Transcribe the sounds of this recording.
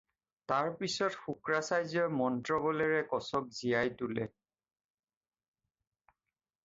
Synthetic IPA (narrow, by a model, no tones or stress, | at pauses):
taɹpisɔtxukɹasajzɔmɔntɹɔbɔlɛɹɛkɔsɔk̚zijajtulɛ